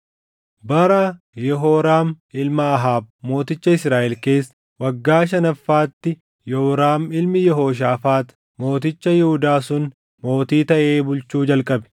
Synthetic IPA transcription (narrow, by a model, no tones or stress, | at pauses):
bɐɾɐ | jɛɦoːɾaːm | ɪlmɐːɦaːb̚mo̞ːt̪ɪt͡ʃːɐɪsɾaːʔɛlke̞ːsː | wɐɡːaːʃ̬ɐnɐfːaːt̪ːɪ | jɛhʊɾaːmɪlmɪjɛɦo̞ːʃ̬aːfaːt̪ | mo̞ːt̪̬ɪt͡ʃːɐjɛhʊd̪aːsʊn | mo̞ːt̪iːt̪ɐʔeːbʊlt͡ʃuːd͡ʒɐlkʼɐbɛ̥